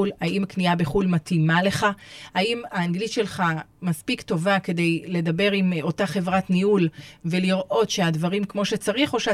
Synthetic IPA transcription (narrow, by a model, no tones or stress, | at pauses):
ulhaimkniabeχulmatimale̞χaaimaːnɡlitʃe̞lχamaspikto̞vake̞de̞jle̞dabe̞ʁimo̞taχe̞vʁatniulve̞liʁʔo̞tʃe̞advaʁimkmo̞ʃet͡saʁiχo̞ʃe